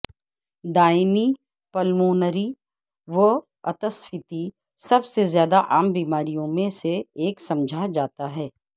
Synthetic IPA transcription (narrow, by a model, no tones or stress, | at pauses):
d̪aːɪmi | pɐlmoːnəɾi | ʋə | ɐt̪əsfʰɪt̪i | sɐbsezjaːd̪aʔaːmbiːmaːɾijõmẽseeːksɐ̃md͡ʒʱad͡ʒaːt̪aɦɛː